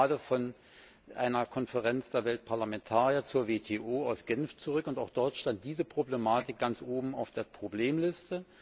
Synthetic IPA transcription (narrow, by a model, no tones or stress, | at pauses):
aːdəfɔn | ʔa̰ɪnɐkʰɔnfəʁɛnt͡sd̥eːɐvɛlt̚pʰaɐlamɛntʰaːʁiɐt͡suːɐveːtʰeːʔoːaʊsɡ̥ɛnft͡sʊʁʏkʊntaʊxd̥ɔɐtʃtant̚d̥iːzəpʁ̥oblemaːtɪk̚ɡ̥ant͡sʔoːbm̩aʊfd̥eːɐpʁ̥obleːmlɪstə